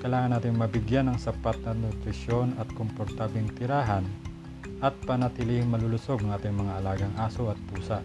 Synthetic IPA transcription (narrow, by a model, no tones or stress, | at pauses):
kɐjlaːŋɐnːaːt̪ɪŋmɐbɪɡjanɐŋsɐpat̪̚nɐnʊt̪ɾɪʃo̞nɐt̪̚kompoɾt̪aːblɪŋt̪ɪɾaːɦɐn | ʔɐt̪̚pɐnɐt̪ɪlihɪŋmɐlʊlʊso̞ɡɐŋʔaːt̪ɪŋmɐŋaʔɐlaːɡɐŋʔaːsoɐt̪̚puːsɐʔ